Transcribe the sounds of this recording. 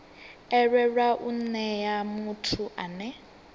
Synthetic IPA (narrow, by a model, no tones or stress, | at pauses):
ɛɺɛɺwaʔun̩nɛjamutʰuʔanɛ